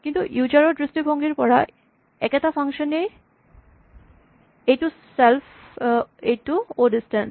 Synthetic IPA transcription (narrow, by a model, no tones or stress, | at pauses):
kint̪ujud͡ʑaɾoɖɾisʈibʱɔŋɡeɾpɔɾa | ɛ̰ket̪afaŋʃone | eʈuself | eʈuoɖisʈen